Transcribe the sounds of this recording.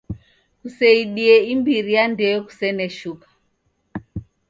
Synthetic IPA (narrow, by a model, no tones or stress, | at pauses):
kusɛiɗiɛimbiɾijandɛjɔku̥sɛnɛʃukḁ